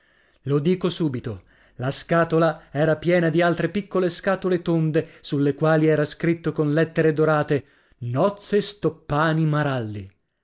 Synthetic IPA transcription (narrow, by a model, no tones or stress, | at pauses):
lod̪iːkosuːbit̪o | laskaːt̪olaɛːɾapjɛːnad̪ialt̪ɾepikːoleskaːt̪olet̪ond̪esulːekwaːliɛːɾaskɾit̪ːokonlɛt̪ːeɾed̪oɾaːt̪e | nɔt̪sːest̪opːaːnimaɾalːi